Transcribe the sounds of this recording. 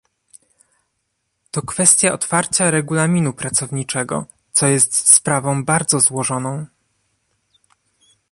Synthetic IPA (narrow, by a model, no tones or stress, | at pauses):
t̪ɔkfɛst̪ʲjaʔɔt̪faɾt͡ɕaɾɛɡulamʲinupɾat̪sɔvɲit͡ʂɛɡɔ̰ | t̪sɔjɛst̪spɾavɔ̃w̃baɾd̪zɔzwɔʐɔnɔ̃w̃